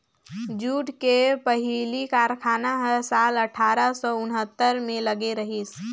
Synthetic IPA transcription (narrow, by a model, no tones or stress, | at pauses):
d͡ʒuːʈkepəɦilikaːɾkʰaːnaɦəsaːləʈʰaːɾəsɔːʊnɦət̪ːəɾmẽləɡeɾəɦis